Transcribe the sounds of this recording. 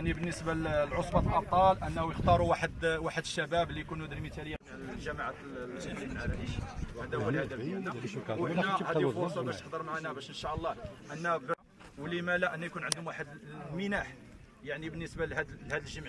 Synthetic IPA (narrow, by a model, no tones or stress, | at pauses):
ʕnibənːəsbalʕosˤbɑt̪əlʔɑt̪ˤɑlʔənːhujəxt̪ɑɾˤuwaħəd̪waħəd̪ʃːæbæblijkunud̪əɾmit̪æləjːæm | ʒæmaʕa | zilimənʕaɾæbihæd̪æwəlhæd̪æbææwənːæhæd̪ifosˤɑbæʃʃt̪ə̥ħd̪əɾˤmaʕnæbæʃʔənʃæʔəlˤːɑʔənːæb | wlimælæʔənːæjkunʕənd̪ʊmwaħəd̪mənæħ | jaʕnibənːəsbalhæd̪hæd̪əlʒəmʕ